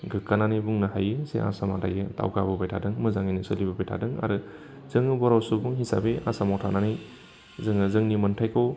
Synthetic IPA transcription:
ɡɯkːananijbuŋnɯɦajɯsḛʔa̰samada̰jɯta̰wkabɯbajtʰadɯŋmɯzaŋinɯsɯlibɯbajtʰa̰dɯŋa̰ɾɯ | z̥ɯŋɯbɔɾawsubuŋhisa̰bea̰samawtʰananij | zɯŋɯzɯŋnimɯntʰajkʰow

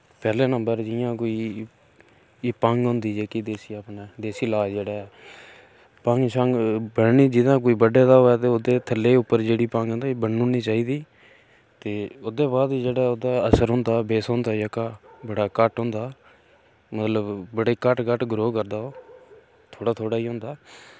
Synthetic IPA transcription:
pɛːleːnəmbəɾd͡ʒɪjãːkoːiː | pə̃ŋɡɦõːnd̪iːd͡ʒeːkid̪eːsiːaːpnɛːd̪eːsiːlaːd͡ʒeːɽɛː | pə̃ŋɡʃʰə̃ŋɡbəɽniːd͡ʒɪd̪ãːk̬oːiːbəɖeːd̪aːɦoːɛːt̪eːoːd̪eːt̪ʰəlːeːʊpːəɾd͡ʒeːɽiːpãŋɡɦõnd̪aːbəɽnʊ̃ːniːt͡ʃaːiːd̪iː | t̪eːoːd̪eːbaːd̪id͡ʒeːɽaːoːd̪aːəsəɾɦʊ̃ːnd̪aːbeːsõːnd̪aːjaːkaːbəɽaːkəʈɦõːnd̪aː | mət̪ləbbəɽeːkəʈkəʈɡɾoːkəɾd̪aːoː | t̪ʰoːɽaːt̪ʰoːɽaːiːɦʊ̃ːnd̪aː

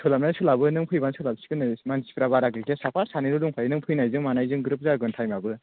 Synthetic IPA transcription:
sʰulamnansulabɯnɯŋpʰujbansʰulabsi̥kɯnɯmansi̥pʰɾaβaɾakikʰesapʰasaniɾuduŋpʰajinɯŋpʰɯjnajzɯŋmanajzɯŋɡɯɾɯp̚zaɡɯntʰajmabɯ

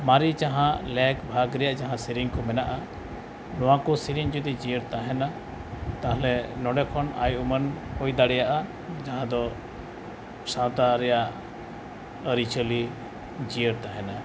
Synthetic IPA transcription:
maɾid͡ʒaɦãlɛkbʱaɡɾɛjaʔd͡ʒaɦãsiɾiŋkɔmɛnaʔa | nɔwakɔsiɾiŋd͡ʒɔd̪id͡ʒiəɾt̪aɦɛna | t̪aalɛnɔɖɛkʰɔna̰jumənhɔjd̪aɽɛjaʔa | d͡ʒaɦãd̪ɔ | sãwt̪aɾɛjaʔ | əɾit͡ʃʰəli | d͡ʒijəɾt̪aɦɛna

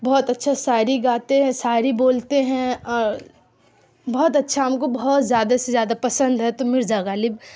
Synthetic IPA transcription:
bɔɦːt̪ɐtːʃʰasaːɾiɡaːt̪eɦɛ̃saːɾiboːlt̪eɦɛ̃ɔːɾ | bɔɦɔt̪ɐtːʃʰaamkobɐɦɔt̪zjaːd̪asezjaːd̪apɐsə̃nd̪ɦɛt̪omɪɾd͡ʒaːɡaːlib

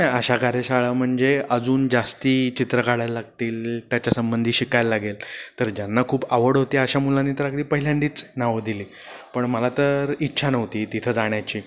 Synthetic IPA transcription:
naəɕakaɾjəɕaɭam̤əɳd͡zeəd͡zuːnd͡zast̪iːt͡ɕit̪ɾəkaɽajllːaɡ̚t̪iːlt̪jat͡ɕasəmbənd̪ʱiːɕikajllːaɡelt̪əɾd͡ʑjanːakʰuːbaʋəɽɦot̪iːaɕamulanːiːt̪əɾaɡd̪iːpəɦiljãɳɖiːt͡snaʋəd̪iliː | pəɳməlat̪əɾitːɕʰanəʋt̪iːt̪it̪ʰəd͡zaɽ̃jat͡ɕiː

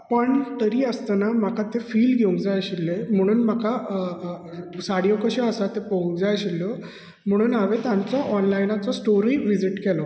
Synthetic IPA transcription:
pəɳt̪əɾiːəst̪anam̤akat̪efiːlɡʱeũŋkd͡zajɕilːem̤əɽ̃uːnm̤aka | saɽjokəɕeəsat̪epəũŋkd͡zajɕilːə | m̤əɽ̃uːnaʋet̪jant͡sɔʔɔnlajnat͡sɔsʈoɾiʋid͡ziʈkɛlɔ

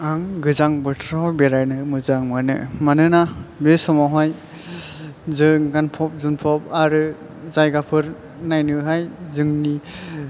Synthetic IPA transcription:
aŋɡɯzaŋbɯtʰɾawbeɾajnɯmɯzaŋmanɯ̰manɯnabesɔmaɦaj | zɯŋɡanpʰɔp̚zunpʰɔp̚aɾɯ | zajɡapʰɯɾ | najnɯɦajzɯŋni

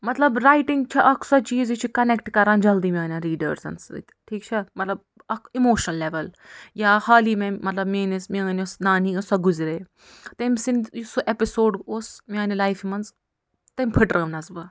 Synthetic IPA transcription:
mɐt̪lɐbɾaːjʈiŋɡt͡ʃʰɐʔɐkʰsɐt͡ʃiːzit͡ʃʰikɐnek̚ʈkɐɾãːnd͡ʒɐld̪iːmʲãːnʲaɾiːɖəɾzɐ̰nsɨ̰t̪ʲʈʰiːk̚t͡ʃʰɐmɐt̪lɐb̚ | ɐkʰimoːʃnɐlːeʋɐl | jaːhaːliːmẽmɐt̪lɐbmẽːnismʲinʲosnaːniɐsɐɡuzɾeː | t̪ɐmʲsind̪jisoʔepɪsoːɖoːsmʲãːnilaːjfimɐnz | t̪ɐmʲpʰɨʈɾʔəːʋnɐzbɨ

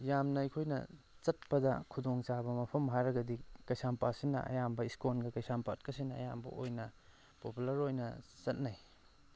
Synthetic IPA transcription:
jamnɐɐjkʰojnɐ̰ | t͡ʃɐt̚pɐdɐ̰kʰudoŋt͡ʃabɐmɐpʰɐmɦajɾɐɡɐdikɐjsampasinɐ̰ʔɐ̰jambɐiskonɡɐkɐjsampat̚kɐsinɐɐ̰ja̰mbɐ̰ʔojnɐ | populɐɾojnɐt͡ʃɐt̚naj

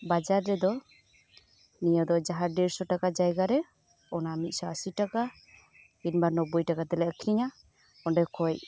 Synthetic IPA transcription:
bad͡ʒaɾːɛd̪ɔ | nijɔd̪ɔd͡ʒaɦaɖɛɾsɔʈakad͡ʒajɡaɾɛ | ɔnaːmit̪̚sɔasiʈaka | inbanɔbujʈakat̪ɛlɛkʰiɲa | ɔnɖɛkɔj

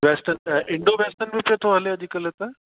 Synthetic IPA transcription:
ʋɛsʈənɪɳɖoʋɛsʈənmipət̪ʰoɦɐleɐd͡ʑikəlet̪ɐ

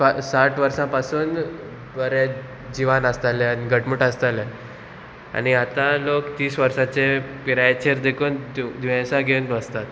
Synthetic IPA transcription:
asaʈʰʋəɾsãpasuːn | bəɾe | d͡ʑiʋanəst̪aleaniɡəʈmuʈəst̪ale | a̰niat̪ãlokt̪iːsʋəɾsat͡sepiɾajt͡ɕʰeɾd̪ekuːnd̪ʋãsãɡʱent̪ʋəst̪at̪

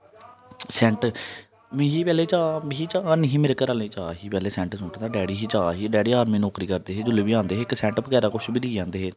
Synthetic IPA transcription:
sɛ̃ːɳʈ | mĩɦiːpɛːleːt͡ʃaːbiːt͡ʃaːnəɦĩːmɪɾkəɾaːlẽːt͡ʃaːɦiːpɛːleːsɛ̃ːɳʈsʊ̃ːʈd̪aːɖɛːɽiːɦiːt͡ʃaːɦiːɖɛːɽiːaːɾmĩːnɔːkɾiːkəɾd̪eːɦeːd͡ʒʊleːbiːãːnd̪eːɦeːɪksɛ̃ːɳʈəpkɛːɾaːkʊʃbiːliːd͡ʒãːnd̪eːɦeː

